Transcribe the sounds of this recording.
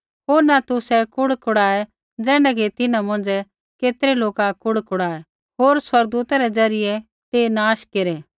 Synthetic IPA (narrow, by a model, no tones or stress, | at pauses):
ɦoːɾnat̪ʊsɛkʊɽkʰʊɽaːɛ | d͡zɛ̃ːɽ̃ɛket̪ɪnãmɐ̃n̆d͡ʒɛ | keːt̪ɾeloːkakʊɽkʰʊɽaːɛ | ɦoːɾswɐɾɡ̚d̪uːt̪aɾɛd͡zɐɾɪjɛ | t̪enaːʃkeɾɛː